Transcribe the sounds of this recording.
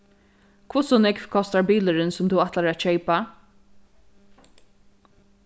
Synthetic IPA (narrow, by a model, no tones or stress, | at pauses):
kʰvʊsɔnɪkfkʰɔst̪aɹbiːlɪɾɪnsʊmt̪ʰʊwat̪laɹaʃɛɪpa